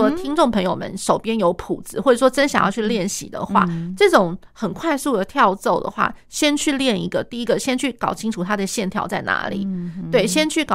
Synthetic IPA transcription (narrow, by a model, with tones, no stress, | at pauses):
t̪ʰi˥ŋʈ͡ʂʊ˥˩ŋpʰə˧˥ŋjo˨˩ʊmə̰˧˦nʂo˨˩ʊpjɛ˥njo˧˥ʊpʰu˨˩d͡zɹ̩˧˦xwɔ˥˩ʈ͡ʂə˨˩ʂwɔ˥ʈ͡ʂə˥nɕjɑ˨ŋjɑ˥˧t͡ɕʰy˥˧ljɛ˥˩nɕḭ˨˩d̪ə̰˦xwa̰˥˩ʈ͡ʂɤ˥˩ʈ͡ʂʊ˨˩˦ŋxə˨˩nkʰwa˥˧ɪsu˥˩d̪ə˩t̪ʰjɑ˥˧ʊt͡so˥˩ʊd̪ə̰˩xwa̰˥˩ɕjɛ˥nt͡ɕʰy˥˧ljɛ˥˩nḭ˧˥ɡə˨t̪i˥˩i˦˥ɡə˨ɕjɛ˥nt͡ɕʰy˥˩kɑ˨˩ʊt͡ɕʰi˥ŋʈ͡ʂʰu˨˩t̪ʰa˥d̪ə˨ɕjɛ˥˩nt̪ʰjɑ˥˧ʊt͡sa˥˩ɪna̰˧˥lḭ˨˩˦t̪we˥˩ɪɕjɛ˥nt͡ɕʰy˥˩kɑ˨˩